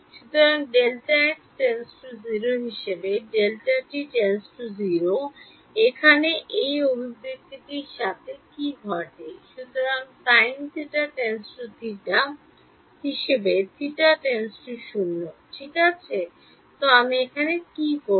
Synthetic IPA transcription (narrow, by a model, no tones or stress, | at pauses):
ʃut̪oɾaŋɖelʈaekʈensʈuziɾoɦiʃebeɖelʈaʈiʈensʈuziɾo | ekʰaneʔejobʱibek̚t̪ʰekejʃat̪ʰekiɡʱɔʈeʃut̪oɾaŋt̪ajnt̪ʰiʈaʈensʈut̪ʰiʈa | ɦiʃebet̪ʰiʈaʈensʈuʃunːoʈʰikat͡ɕʰe | t̪oamiekʰanekiko